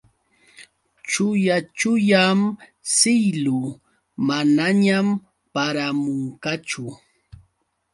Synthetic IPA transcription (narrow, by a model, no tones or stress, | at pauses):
t͡ʃʊjat͡ʃʊjam | sɪjlʊ | manaɲam | paɾamʊŋkat͡ʃʊ